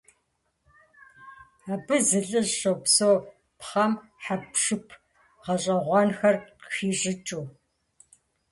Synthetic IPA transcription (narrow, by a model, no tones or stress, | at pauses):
aːbɨzɨɮɨʑɕowpsoː | pχɐmħapʂɨpʰ | ʁɐɕʼɐʁʷɑnxɐrɕiːɕʼɪt͡ʃʼuː